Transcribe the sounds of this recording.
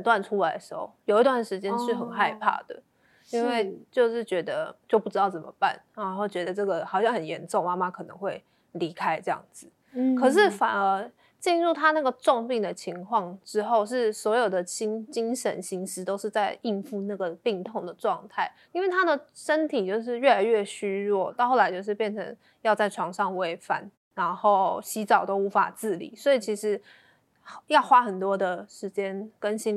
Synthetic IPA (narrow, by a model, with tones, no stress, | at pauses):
nt̪wa˥˧nʈ͡ʂʰu˥la˨˧ɪd̪ə˩ʂ̩˧˥xo̰˥˩ʊjo˨˩ʊi˧˥t̪wa˥˩nʂɻ̩˧˥t͡ɕjɛ˥˦nʂɻ̩˥˩xə˨˩nxa˥˧ɪpʰa̰˥˩d̪̥ə̰˩ | i˥nwe˥˧ɪt͡ɕjo˥˧ʊʂɻ̩˥˩t͡ɕɥɛ˧˥d̪ə˧t͡ɕjo˥˧ʊpu˥˩ʈ͡ʂɻ̩˥t̪ɑ˥˩ʊt͡sə˨˩mə̰˧˦pa̰˥˩nɻa˧˥nxo˥˩ʊt͡ɕɥɛ˧˥d̪ə˧ʈ͡ʂɤ˥˩ɡə˩xɑ˨˩ʊɕjɑ˥˩ŋhə˨˩njɛ˧˥nʈ͡ʂo˥˨ŋma˥ma˦kʰɤ˨˩nɤ̰˧˥ŋxwe˥˩ɪ | li˧˥kʰa˥ɪʈ͡ʂɤ˥˧jɑ̰˥˩ŋd͡zɹ̩˩˦ | kʰɤ˨˩ʂ̬ɻ̩˥˩fa˨˩nə˧˥ | t͡ɕi˥˧nɻu˥˩t̪ʰa˥na˥˩ɡə˩ʈ͡ʂʊ˥˧ŋpi˥˩ŋd̪ə˩t͡ɕʰi˧˥ŋkʰwɑ˥˧ŋʈ͡ʂɻ̩˥xo˥˧ʊʂ̬ɻ̩˥˩swɔ˧˥jo˨˩ʊd̪ə˩t͡ɕi˥ŋt͡ɕi˥ŋʂə̰˧˥nɕi˧˥ŋʂɻ̩˧˥t̪o˥ʊʂɻ̩˥˧t͡sa˥˧ɪi˥˧nfu˥˧na˥˩ɡə˩pi˥˧ŋt̪ʰo˥˩ŋd̪ə˩ʈ͡ʂwɑ˥˧ŋt̪ʰa˥˩ɪ | i˥nwe˥˩ɪt̪ʰa˥d̪ə˨ʂə˥nt̪ʰi˨˩t͡ɕjo˥˧ʊʂ̬ɻ̩˥˧ɥɛ˥˩la˧˥ɪɥɛ˥˩ɕy˥ɻwɔ˥˩t̪ɑ˥˧xo˥˩ʊla˧˥ɪt͡ɕjo˥˧ʊʂ̬ɻ̩˥˧pjɛ˥˩nʈ͡ʂʰə̰˧˥ŋ | jɑ˥˧ʊt͡sa˥˩ɪʈ͡ʂʰwɑ˧˥ŋʂɑ˥˧ŋwe˧˥ɪfa̰˨˩˦n | na˧˥nxo˥˩ʊɕi˧˥ʈ͡ʂɑ˨˩ʊt̪o˥ʊu˧˥fa̰˨˩t͡sɹ̩˥˩lḭ˨˩˦swɔ˧˥i˨˩t͡ɕʰi˧˥ʂɻ̩˧˥ | jɑ˥˩ʊxwa˦˥xə˨˩nt̪wɔ˥d̪ə˨ʂɻ̩˧˥t͡ɕjɛ˥nkə˦nɕi˥n